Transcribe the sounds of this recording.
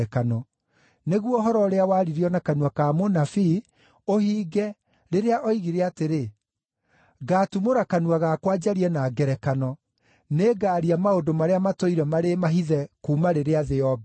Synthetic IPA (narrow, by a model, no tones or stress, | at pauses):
kanɔ | neɣwɔɦɔɾɔɾeawaːɾiɾiɔnakanwakaːmonafi | ohiːɡɛ | ɾeɾeaʔɔiɣiɾɛateɾe | ɡatumoɾakanwaɣakwad͡ʑaɾiɛnaɡɛɾɛkanɔ | neɡaːɾiamaodomaɾeamatoiɾɛmaɾemaɦiðɛkuːmaɾeɾeaðɛɔbɛ